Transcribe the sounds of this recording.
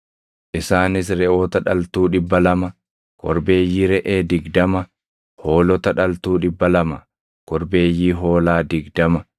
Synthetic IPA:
ʔɪsaːnɪs̬ɾɛʔo̞ːt̪ɐᶑɐlt̪uːᶑɪbːɐlɐmɐ | kɔɾbe̞ːjːiːɾɛʔeːd̪ɪɡd̪ɐmɐ | ho̞ːlɔt̪ɐᶑɐlt̪uːᶑɪbːɐlɐmɐ | kɔɾbe̞ːjːiːɦo̞ːlaːd̪ɪɡd̪ɐmɐ

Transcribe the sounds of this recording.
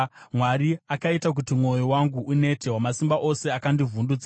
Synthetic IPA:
mwaɾiakaitak̬utimwo̞jowaŋɡuʔune̞te̞wamasimbaʔo̞se̞akandivundud͡za

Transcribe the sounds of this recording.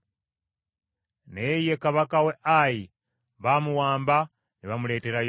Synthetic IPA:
nejekaβakaweʔaji | βamuwaːmba | niβamule̞ːteɾaj

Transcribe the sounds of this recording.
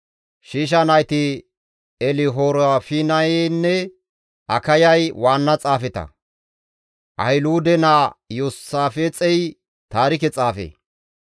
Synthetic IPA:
ʃiːʃ̬ɐnɐjt̪ɪ | ɛlɪɦoːɾafɪnɐenːɛ | ʔɐkɐjɐjwaːnːɐt͡sʼaːfɛt̪ɐ̰ | ʔɐ̰jluːd̪ɛnajosːaːfeːt͡sʼɛj | t̪aːɾɪk̬ɛt͡sʼaːfḛː

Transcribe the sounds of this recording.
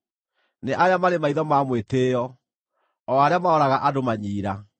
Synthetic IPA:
neʔaɾeamaɾemaiðɔmamweteːjɔ | ɔaɾeamaɔɾaɣaʔadomaɲiːɾa

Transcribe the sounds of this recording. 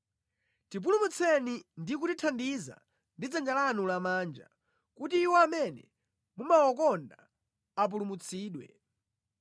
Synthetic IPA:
tip̬ulumut͡sʰɛnindik̬utitʰandiza̰ | ndid͡zand͡ʒalanulamaːnd͡ʒa̰ | kutiːwɔamɛnɛ̰ | mumawɔkɔnda | ap̬ulumut͡sʰiːɗwɛ̰

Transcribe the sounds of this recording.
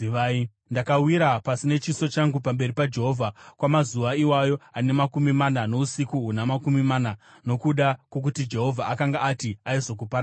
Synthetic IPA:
ai | ndakawiɾapasine̞t͡ʃiso̞t͡ʃaŋɡupambe̞ripad͡ʒe̞ɦoːvʱakwamazuʋaiwajo̞ane̞makumimanano̞usikuɦunamakumimana | no̞kuɗakwo̞k̬utid͡ʒe̞ɦo̞vʱaʔakaŋɡaːtiaizo̞k̬upaɾa

